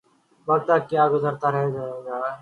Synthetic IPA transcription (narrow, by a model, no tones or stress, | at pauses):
bəɡt̪aːkjaːɡʊzəɾt̪aːɾɦeːd͡ʒad͡ʒaː